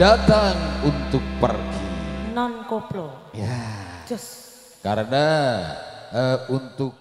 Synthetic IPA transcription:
at̪aŋunt̪ʊk̚pərɡinɔnkoplojad͡ʒʊs | kaɾəna | əunt̪ʊk̚

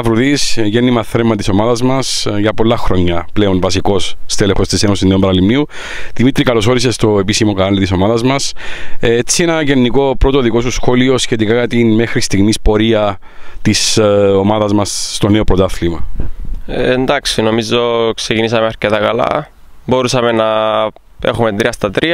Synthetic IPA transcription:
ɐvɾuðisʝenːimɐθɾemːɐt̪iso̞maðɐzmɐsʝɐpo̞lːɐxɾo̞ɲːɐple̞onvɐsiko̞sːt̪elexo̞st̪isenosineombɐɾɐlimniu | ðimit̪ɾikɐlo̞so̞ɾise̞st̪o̞e̞pisimo̞kɐɾɐlit̪iso̞maðɐzmɐset͡sːienɐʝe̞nːiko̞pɾo̞t̪o̞ðiko̞susxo̞lio̞sçe̞t̪ikajɐt̪inme̞xɾist̪iɣmispo̞ɾiɐ | t̪iso̞mɐðɐzmɐsst̪o̞ne̞o̞pɾo̞t̪ɐθlimɐ | end̪ɐksino̞mizoksecinisɐmeɐɾcet̪ɐkɐlɐ̰bo̞ɾusɐmenɐ | exumet̪ɾiɐst̪ɐt̪ɾiɐ

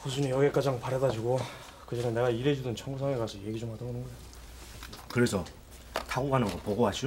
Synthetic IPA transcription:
kus̬ʰuɲijʌɡek͈ad͡ʑaŋpaɾʌdad͡ʑuɡo | kɯd͡ʑʌnɯne̞ɡaiɾe̞d͡ʑudɯnt͡ɕʰʌŋɡusʰaŋekasʰʌje̞ɡid͡ʑomɦadʌbonɯnɡʌjo | kɯɾe̞sʰʌ | tʰaɡoɡanɯŋɡʌpoɡoɦaɕʰi

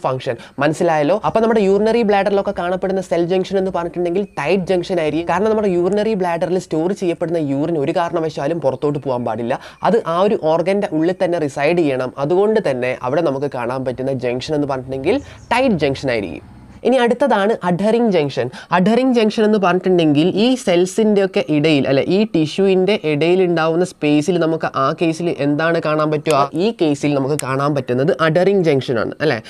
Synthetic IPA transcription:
fɐŋkʂɐnmɐnɐsːilaːjɐlo̞ːɐpːonɐmːuɽejuːrnɐribɭaːɖɐrilo̞kːekaːɳɐpːe̞ɽunːɐseld͡ʑɐŋɡʂɐne̞nːɨpɐrɐɲːiʈːuɳɖeŋɡilʈɐjʈ̚d͡ʑɐŋʂɐnaːjiɾikːumkːaːɾɐɳɐmnɐmːuɽejuːrnɐribɭaːɖɐrilsto̞ːrt͡ɕejːɐpːe̞ɽunːɐjuːrino̞ɾukaːɾɐɳɐmʋɐɕjaːlumpurɐt̪ːo̞ːʈ̬ːɨpoːʋaːnpa̰ːɽilːɐ | ɐ̰ðɨʔaːo̞ɾuʔo̞ːrɡɐnde̞ʔuɭːit̪ɐnːe̞risɐjɖt͡ɕejːɐɳɐmɐðuɣo̞ɳɖɨt̪ɐnːe̞ʔɐ̰ʋiɽe̞nɐmukːɨka̰ːɳaːmpɐtːunːɐd͡ʑɐŋɡʂɐne̞nːɨpɐrɐɲiʈːuɳːɖe̞ŋɡil | ʈɐjʈd͡ʑɐŋɡʂɐnaːjḭɾḭkʲːṵm | eniɐɽut̪ːɐðaːɳɨʔɐɖʱɐriŋɡd͡ʑɐŋʂɐnɐɖʱɐriŋɡd͡ʑɐŋɡʂɐne̞nːɨp̬ɐrɐɲːutːuɳɖe̞ŋɡiliːse̞lsinde̞o̞kːe̞ʔiɽɐjilʔɐ̰lːḛʔiːʈiɕujinde̞ʔiɽɐjiluɳɖaːʋunːɐspe̞ːsilnɐmukːɨʔaːkːe̞ːsilʔe̞nd̪aːɳɨkaːɳaːnpɐtːuaːʔiːke̞ːsilnɐmukːɨkaːɳaːnpɐtːunːɐðɨʔɐɖɐriŋɡd͡ʑɐŋʂɐna̰ːɳɨ̰ʔɐlːḛː

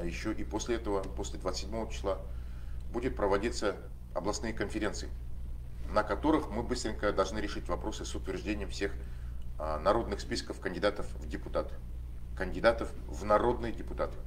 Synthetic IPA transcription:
jɪɕːoʔiposʲlʲɪɛt̪əvəposʲlʲɪd̪vat̪sʲɪdʲmo̞vət͡ɕɪ̥sˠa | budʲɪt̪̚pɾəvɐdʲit̪sə | ɐ̰blˠɐsnɨjəkənfʲɪɾʲe̞nt̪sɨɪ | nəkɐt̪o̞ɾɨxmɨbɨst̪ɾʲɪŋʲkəd̪ɐlˠʐnɨɾʲɪʂɨtʲvɐpɾo̞sɨsʊt̪vʲɪrʐdʲenʲɪjəmfsʲe̞x | nɐɾo̞d̪nɨxspʲiskəfkənʲdʲɪd̪at̪əfvdʲɪpʊt̪at̪ɨ̥ | kənʲdʲɪd̪at̪əf | vnɐɾo̞d̪nɨjdʲɪpʊt̪at̪ɨ̥

